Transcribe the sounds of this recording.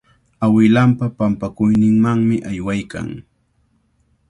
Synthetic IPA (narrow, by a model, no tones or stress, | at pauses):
awɪlampapampakʊjnɪŋmaŋmɪʔajwajka̰ŋ